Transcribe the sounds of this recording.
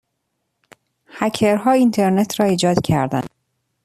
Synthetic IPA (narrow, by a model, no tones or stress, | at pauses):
hæcʰeɾɦɒːint̪ʰeɾnet̪ʰɾɒːiːd͡ʒɒːd̪̥cʰæɾd̪æ̰n